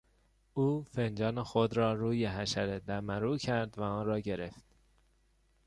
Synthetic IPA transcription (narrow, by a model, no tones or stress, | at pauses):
uːfend͡ʒɒːnexod̪ɾɒːɾuːjeɦæʃæɾed̪æmæɾuːcʰæɾd̪væɒːnɾɒːɟe̞ɾe̞ft̪